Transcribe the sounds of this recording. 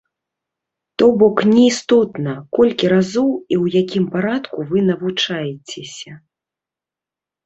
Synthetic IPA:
t̪ɔbɔknʲɛist̪ɔt̪nɐkɔlʲkʲiɾazɔwiwjakʲimpaɾat̪kuvɨnɐvut͡ʂajɛt͡sʲɛsʲɐ

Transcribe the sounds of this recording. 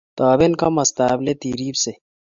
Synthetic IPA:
t̪aːbenkamɐst̪aːblet̪iːɾiːbse

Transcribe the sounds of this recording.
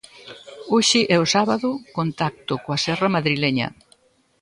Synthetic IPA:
oʃɪʔɛʊsaβaðʊkont̪ak̚t̪ʊkoasɛrɐmaðɾilɛɲɐ̰

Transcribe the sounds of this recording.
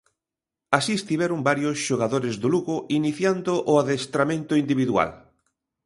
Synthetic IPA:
asiest̪iβɛɾʊmbaɾjʊsʃoɣaðoɾezðʊluɣʊʔiniθjand̪ʊʔʊaðest̪ɾamẽnt̪ʊind̪iβiðua̰l

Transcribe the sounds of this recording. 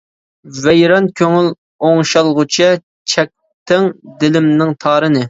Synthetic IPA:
vɛjɾɑnkʲʰøŋyl | oŋʃɑlˠʁʊt͡ʃʰɛ | t͡ʃʰɛk̚ʲ | t̪ʰɪŋd̪ɪlɪmnɪŋt̪ʰɑːɾɨnɨ

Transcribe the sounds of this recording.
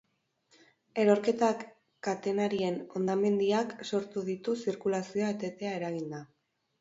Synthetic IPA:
e̞ɾo̞ɾke̞t̪a | kat̪e̞naɾie̞no̞nd̪ame̞nd̪iakso̞ɾt̪uðit̪usiɾkulasioat̪e̞t̪e̞ae̞ɾaɣ̞ind̪a

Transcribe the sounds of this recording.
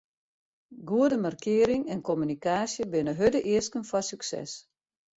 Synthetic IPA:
ɡuədəmarkʰɪəɾɪŋɛnkomynikaːsjəbɪnəɦødəʔɪəskənfɔsyksɛ̰s

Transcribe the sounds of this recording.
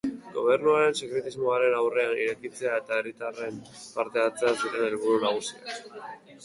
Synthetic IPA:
ɡo̞̰β̞e̞ɾnuaɾe̞nse̞kɾe̞t̪izmo̞aɾe̞nawre̞aniɾe̞kit͡se̞ae̞t̪aerit̪are̞mpaɾt̪e̞at͡se̞asiɾe̞ne̞lβ̞uɾunaɣ̞usia̰

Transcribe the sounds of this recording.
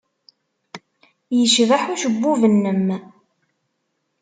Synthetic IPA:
jəʃvaħuʃəbːuvənːəm

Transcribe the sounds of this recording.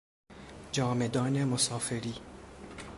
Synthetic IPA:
d͡ʒɒːmed̪ɒːnemosɒːfeɾiː

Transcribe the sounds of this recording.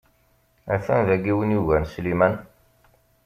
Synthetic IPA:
æθænðæɡiwənjuvænslimæn

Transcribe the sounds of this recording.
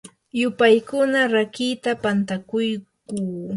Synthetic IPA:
jʊpajkʊnaɾakit̪apant̪akʊjkuː

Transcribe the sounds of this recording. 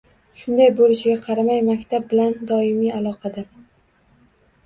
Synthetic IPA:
ʃʊnd̪ajbolɪʃɪɡʲaqʰɑɾamajmakʲt̪ʰab̚bɪland̪ɒɪmialˠɒqʰɑd̪aɾ

